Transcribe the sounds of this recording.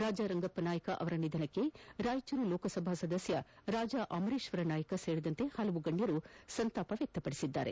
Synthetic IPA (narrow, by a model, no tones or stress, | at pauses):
ɾaːd͡ʒaːɾɐŋɡɐpːɐnaːjɐkɐʔɐ̰ʋɐɾɐnid̪ʱɐnɐkːe̞ɾaːjt͡ʃɐɾuloːkɐsɐbʱaːsɐd̪ɐsjɐɾaːd͡ʒaʔɐmɐɾeːʃʋɐɾɐnaːjɐkɐseːɾid̪ɐnt̪e̞hɐlɐʋuɡɐɳɖjɐɾusɐnt̪aːpɐʋjɐk̚t̪ɐpɐɽi̥sid̪ːa̰ːɾe̞̰